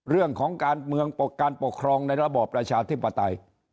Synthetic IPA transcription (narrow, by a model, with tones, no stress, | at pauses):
ɾɯ˥˩əŋkʰɔː˩˦ŋkaː˧nmɯ˧əŋpo˨˩kaː˧npo˨˩kʰːɾɔː˧ŋna˧jɾa˧bɔː˨˩pːɾa˧t͡ɕʰaː˧t̪ʰi˥˩pːa˧t̪a˧j